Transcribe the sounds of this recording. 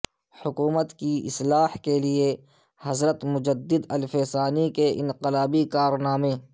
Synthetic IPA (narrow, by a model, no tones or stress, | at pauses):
hʊkuːmət̪kiɪ̰slaːhkelie | hɐzɾət̪mʊd͡ʒəd̪ːɪd̪ɐlfeːsaːnikeʔɪ̰̃nqɪlaːbikaːɾnaːmẽː